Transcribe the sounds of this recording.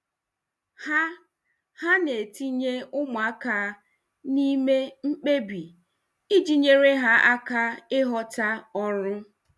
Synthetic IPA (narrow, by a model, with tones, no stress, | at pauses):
ha˦ | ha˦ne˨ti˦ɲe˦ʊ˦m˨a˦ka˨˦ | ni˦me˦ŋ͡m̩˦k͡pe˦bi˨ | i˦d͡ʒi˦ɲe˦ɾe˦ɦa˦ʔa˦ka˦ɪ˦ɦɔ˦ta˦ɔ˦ɾʊ˦